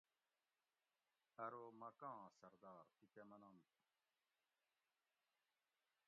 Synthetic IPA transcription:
ɐɾomɐkãːsɐɾd̪aːɾit̪emɐnɐm

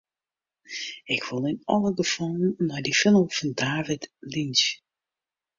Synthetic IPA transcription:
ɪkʰʋɪlˠɪnɑlˠəɡəfɔlˠnnːɔjdifɪnəl̩ˠv̥ɑndaːvɪtlins

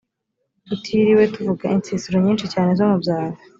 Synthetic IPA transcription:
utʰiɾiwe̞tuvuɡaint͡siːsuɾoɲiːnʃicaːne̞zo̞mubjaːɾa

